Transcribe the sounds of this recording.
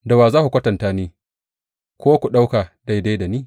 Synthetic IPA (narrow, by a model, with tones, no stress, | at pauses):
da˨waː˨zaː˦ku˨kʷɐ˦tɐ˨ntaː˦niː˦ | kʷoː˦kʷu˨ɗa˦wka˨da˦jda˦jda˨niː˦